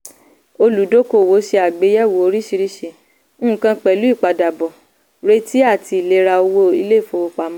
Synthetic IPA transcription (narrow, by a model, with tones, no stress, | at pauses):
o˧lu˨˦do˦ko˦˨wo˨˦ʃe˧a˨ɡ͡be˨˦jɛ˦˨wo˨˦o˧ɾi˦ʃi˧ɾi˦ʃe˧˨ | ñ̩˦˨kã˧k͡pɛ˨lu˨˦i˦˨k͡pa˨da˨bɔ˨ | ɾe˦ti˦a˦˨ti˧˦i˨le˨˦ɾa˧o˧wo˦i˧le˦˨fo˧wo˧k͡pa˨˦mã˦